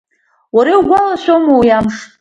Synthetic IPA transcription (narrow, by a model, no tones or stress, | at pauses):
waɾiwɡʷalaʃʷᶣomowjamʂ